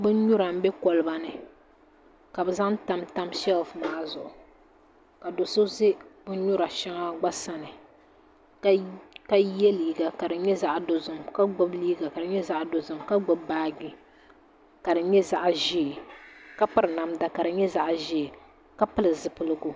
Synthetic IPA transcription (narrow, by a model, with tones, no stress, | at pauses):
bɨ˦ɲʊ˦ɾa˨m̩˦bɛ˦kɔ˨lɨ˦ba˨nɨ˦ | ka˨bɨ˦za˦ŋta˦mta˦mʃɛ˦lfmaː˦zʊ˨ʔʊ˨ | ka˨do˨so˦ze˦bʊ˦ɲʊ˦ɾa˨ʃa˦ŋa˦ɡ͡ba˦sa˨nɨ˨ | ka˦jɛ˦liː˨ɡa˨ka˨dɨ˨ɲɛ˦za˦ʔdo˨zʊ˨mka˦ɡ͡bʊ˦bliː˦ɡa˨ka˨dɨ˨ɲɛ˦za˦ʔdo˨zʊ˨mka˦ɡ͡bʊ˦bːaː˦ɡi˦ | ka˨dɨ˨ɲɛ˦za˦ʔʒi˦˨ka˦pɨ˦ɾɨ˨na˨mda˨ka˨dɨ˨ɲɛ˦za˦ʔʒi˦˨ | ka˦pɨ˦lɨ˨zɨ˨pɨ˦lɨ˦ɡʊ˦